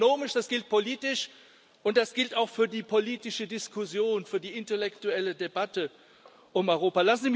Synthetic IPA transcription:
oːmɪʃd̥asɡ̥ɪlt̚pʰoliːtɪʃ | ʔʊnt̚d̥asɡ̥ɪltaʊxfyːɐdiːpʰoliːtɪʃədɪskʰʊsjoːnfyːɐdiːɪntɛlɛktuɛlədebatə | ʔʊmɔʏʁoːpalasn̩ziːm

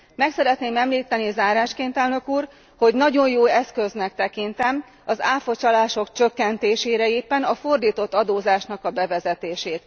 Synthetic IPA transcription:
mɛksɛɾɛt̪neːmɛmliːt̪ːɛnizaːɾaːʃkeːnt̪ɛlnø̞kuːr | ho̞ɟnɒɟo̞jjoːɛskøznɛk̚t̪ɛkint̪ɛm | ɒzaːfo̞t͡ʃɒlaːʃo̞kt͡ʃøkːɛnt̪eːʃeːɾɛeːpːɛnɒfo̞rd̪iːt̪o̞t̪ːɒd̪oːzaːʃnɒkɒbɛvɛzɛt̪eːʃeːt̪

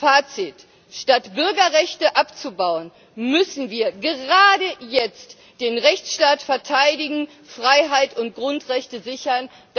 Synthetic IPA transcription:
faːt͡sɪt | ʃtatb̥ʏɐɡɐʁɛçtəʔapt͡subaʊən | mʏsn̩viːɐɡəʁaːdəjɛt͡st | d̥eːnʁɛçt͡sʃtaːtfɛɐtʰaɪdɪɡŋ̩ | fʁ̥aɪɦaɪtʊntɡ̥ʁʊntʁɛçtəzɪçɐn | d̥

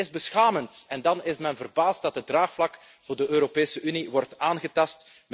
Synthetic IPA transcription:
ɪzbəsxaːməntɛndɑnɪsmɛnvərbaːst̚dɑt̚dədraːxflɑk | v̥ʊːrdəʔøːɾopeːsəʔyniwɔrtaːnɣətɑst | m

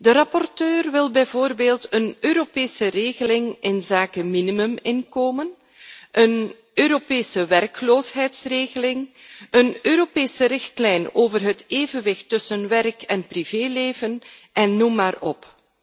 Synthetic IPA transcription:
dəɾɑpɔrtøːrʋɪlˠbɛjvoːrbeːlˠtənøːɾopeːsəreːɣəlɪŋɪnzaːkəminimɵmɪnkoːmən | ʔən | øːɾopeːsəʋɛrkloːsɦɛjtsreːɣəlɪŋənøːɾopeːsəɾɪxtlɛjnoːvərɦəteːvənʋɪxtːɵsənʋɛrkɛnpriveːleːvənʔɛnːumːaːrɔ̰p

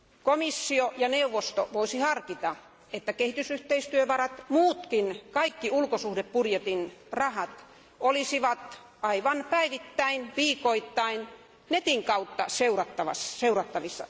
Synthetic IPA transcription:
komisːiojɑneuʋːost̪oʋoisihɑrkit̪ɑ | et̪ːækehit̪ysyht̪eist̪yøʋɑrɑt̪muːt̪kinkɑikːiulkosuhdeppurjet̪inrɑhɑt̪ | olisiʋɑt̪ | ɑiʋɑnpæiʋit̪ːæinʋiːkoit̪ːɑin | net̪iŋkɑut̪ːɑseurɑt̪ːɑʋɑ̰sseurɑt̪ːɑʋisːɑ̰

